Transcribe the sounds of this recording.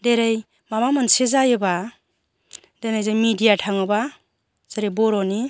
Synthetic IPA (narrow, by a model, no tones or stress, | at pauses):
deɾaj | mamamansezajeba | denajzajmidijatʰaŋɯba | z̥eɾebɔɾɔni